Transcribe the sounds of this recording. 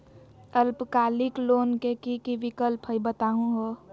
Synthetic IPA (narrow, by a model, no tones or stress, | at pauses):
əlpkaːlɪkloːnkekikiʋikəlpɦəibət̪aːɦũɦo